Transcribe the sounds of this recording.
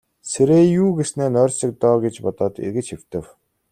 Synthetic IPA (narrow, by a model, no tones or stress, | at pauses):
sʰeɾeːjuːɡesneːnœːrʲsə̆k̚t̪ɔːɡet͡ɕpɔt̪ɔːt̪ḛrɣɘ̆t͡ɕxew̥t̪ɘ̆w